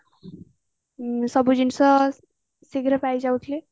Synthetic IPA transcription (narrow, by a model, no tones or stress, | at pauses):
sʌbud͡zinsʌ | siɡɾʌpajd͡zaut̪ʰle